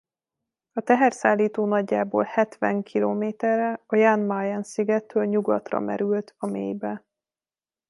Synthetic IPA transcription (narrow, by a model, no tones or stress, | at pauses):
ɒt̪ɛɦɛrsaːlːiːt̪oːnɒɟːaːboːlhɛt̪ʋɛŋkʰiloːmeːt̪ɛrːɛɒjanmajɛnsiɡɛt̪ːøːlɲuɡɒt̪rɒ̰mɛ̰ɾylt̪ɒmeːjbɛ